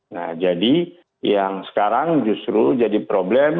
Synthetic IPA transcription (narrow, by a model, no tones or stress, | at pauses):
na̰d͡ʒadi | jaŋsə̥kaɾaŋd͡ʒust̪ɾud͡ʒadipɾoblɛm